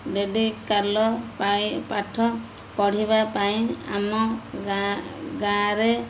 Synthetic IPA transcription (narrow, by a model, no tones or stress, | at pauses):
ɖeɖikalɔipaʈʰɔ | pɔɽ̤ibapaĩa̰mɔaɡãɾe